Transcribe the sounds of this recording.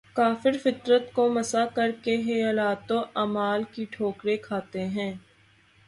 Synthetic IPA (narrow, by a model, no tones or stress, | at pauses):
kaːfɪɾfɪt̪ɾət̪komɐsakɐɾkeɦelaːt̪oʔaːmaːlkiʈʰoːkɾekʰaːt̪eɦɛ̃ː